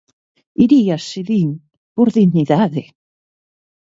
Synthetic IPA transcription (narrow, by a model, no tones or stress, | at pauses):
iɾiasɪðiːn | b̥ʊɾðɪniðaðɪ